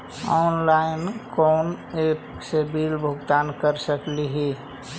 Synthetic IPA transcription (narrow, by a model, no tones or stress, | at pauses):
ɔnlaɪnkonep | sebilbʱʊɡt̪ankəɾsəkliɦi